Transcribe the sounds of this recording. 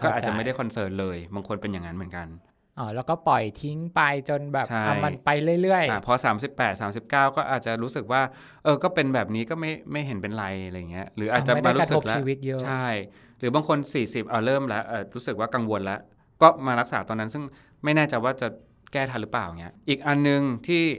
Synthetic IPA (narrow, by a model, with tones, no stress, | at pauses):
kɔ˥˩ʔa˨˩tt͡ɕa˨˩m˥˩da˥˩kʰɔ˧nsɤː˧˥nlɤː˧jbaː˧ŋkʰo˧npe˧nja˨˩ŋa˦˥nmɯ˩˦nka˧n | ʔɔː˧˩lɛː˦˥wkɔː˥˩pɔ˨˩jt̪ʰi˦˥ŋpa˧jt͡ɕo˧nbɛː˨˩t͡ɕʰa˥˩a˧jma˧npa˧jlɯ˥˩əjlɯ˥˩əjʔa˧˩pʰɔ˦˥saː˩˦msi˨˩pːɛː˨˩t̪̚saː˩˦msi˨˩p̚kaː˥˩wkɔː˥˩ʔaː˨˩t̪̚t͡ɕa˨˩ɾuː˦˥sɯ˨˩k̚waː˥˩ | ʔɤː˧kɔː˥˩pe˧nbɛː˨˩p̚niː˦˥kɔː˥˩ma˥˩jma˥˩jɦe˩˦npe˧nɾa˧jɾa˧jːaː˨˩ŋːi˦˥ɐɾɯː˩˦ʔaː˨˩t̚t͡ɕa˨˩˦maː˧ɾu˦˧˥sɯ˦˥k̚lt͡ɕʰiː˧wi˦˥t̪̚jɤ˦t͡ɕʰa˥˩j | ɾɯː˩˦baː˧ŋkʰo˧nsiː˨˩si˨˩p̚ʔa˨˩ɾɤː˥˩mlɛ˦˥ʔɤː˨˩ɾuː˦˥sɯ˨˩k̚waː˥˩ka˧ŋwo˧nlɛ˦˥ʔ | kɔː˥˩maː˧ɾa˦˥k̚saː˩˦t̪ɔː˧nːa˦˥nsɯ˥˩ŋ | ma˥˩jnɛː˥˩t͡ɕa˧jwaː˥˩t͡ɕa˨˩ | kɛː˥˩t̪ʰa˧nlɯ˦˥plaː˨˩wŋi˦˥ɐʔʔiː˨˩k̚ʔa˧nːɯ˧ŋt̪ʰiː˥˩